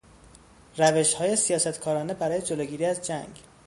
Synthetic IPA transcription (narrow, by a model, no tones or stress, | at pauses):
ræve̞ʃhɒːje̞sijɒːsæt̪kʰɒːɾɒːne̞bæɾɒːje̞d͡ʒoloːɟiːɾiːæzd͡ʒæŋɡ